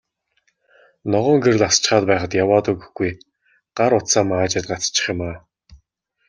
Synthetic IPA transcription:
nɔʁɔːŋɡer̆ɮast͡ɕ̆χaːt̪̚pæːχə̆t̪jawaːt̪əɡɵ̆xɡuj | ɢ̥aɾʊt̪saːmaːt͡ɕɪ̆rt̪̚ɢat͡st͡ɕːɪ̥̆χjɪ̆maː

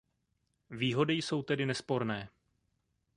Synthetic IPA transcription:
viːɦo̞dɪjso̞wt̪ɛdɪnɛspo̞ɾnɛː

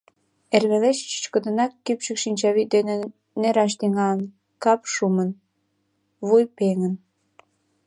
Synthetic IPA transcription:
erβeleʃt͡ɕə̥t͡ɕkə̆d̪ə̆nɑkːypʃəkʃinʲt͡ɕɑβid̪enĕ | neɾɑʃ̬t̪iŋɑlən | kɑpʃumən | βujpeŋən

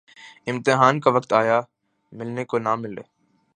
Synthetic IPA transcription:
ɪ̃mt̪ɪɦaːnkaʋɐkt̪aːja | mɪlnekonamɪlḛː

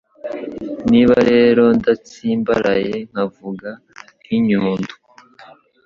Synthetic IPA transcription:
niːβaɾe̞ːɾo̞ndat͡siːmba̰ɾajeŋ̥havuɡa | iɲuːndu

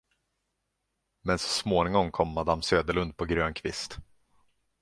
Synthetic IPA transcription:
mɛnsɔ̥smoːnɪŋɔŋkʰɔmːad̪amsøːd̪əɭɵnd̪̚pʰɔɡɾøːnkʰvɪst̪

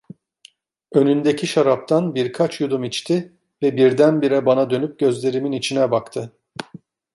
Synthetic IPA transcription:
ø̞nynd̪ecʰiʃaɾap̚t̪ʰanbiɾkʰat͡ʃjud̪umit͡ʃt̪ʰi | vɛbiɾd̪ænbiɾɛbanad̪ø̞nyp̚ɟø̞zlʲe̞ɾiminit͡ʃʰinɛbakt̪ʰɯ

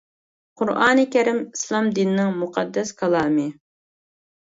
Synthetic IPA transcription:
qʰʊɾʔɑːnɨkʲɛɾɪmislˠɑmd̪inːɪŋmuqʰɑd̪ːɛskʰɑlˠɑːmɨ

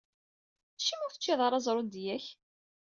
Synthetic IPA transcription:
θʃːimʊɾθə̥t͡ʃːiðˤɑɾˤɑzˤɾˤod̪jæç

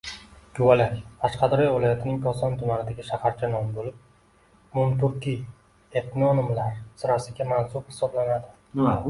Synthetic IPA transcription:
kʰʊwalakʲqʰaʃqɑd̪ɾɒjvɪlajat̪ʰɪnɪŋkʰɒsɒnt̪ʰʊmanɪd̪aɡʲɪʃahaɾt͡ʃʰanɒmbolɪp̚ | mʊmt̪ʊɾkʲi | et̪nɒnɪmlaɾsɪɾasɪɡʲamansʊbhɪ̥sɒblanad̪ɪ

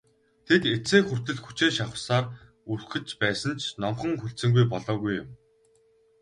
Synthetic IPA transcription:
t̪ʰeket͡seːxur̥t̪ɘ̆ɮxu̥t͡ɕeːʃaχə̆saːr | urxɘ̆t͡ɕpæːsə̆nt͡ɕʰnɔmχə̆ŋxuɬt͡sɘ̆ŋɡujp̬ɔɮɔːɣujʊ̰m

